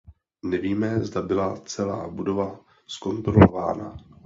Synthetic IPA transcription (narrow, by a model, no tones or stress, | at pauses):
nɛviːmɛzdabɪlat͡sɛla̰ːbudo̞va | sko̞nt̪ɾolova̰ːna̰